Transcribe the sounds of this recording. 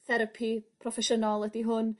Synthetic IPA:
θɛɾəpʰipʰrɔfɛʃənɔlˠədiɦʊn

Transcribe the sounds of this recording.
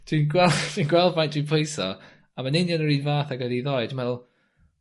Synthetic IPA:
d̥winɡwɛld̥winɡwɛlˠdvajnd̥winpʰojsɔ̰ | amanɪnjanəɹinvaːθaɡɔðiðɔjdmɛðˠ

